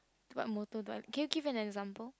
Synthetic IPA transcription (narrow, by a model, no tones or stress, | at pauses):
tuba̰t̚mɔtodwa̰lkʰɛ̃njuɡivɛ̃nɛɡzãmpəl